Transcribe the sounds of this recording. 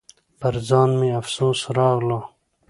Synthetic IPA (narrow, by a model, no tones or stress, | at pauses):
pɐɾzɑːnmẽɐfsoːsɾɑːɣloː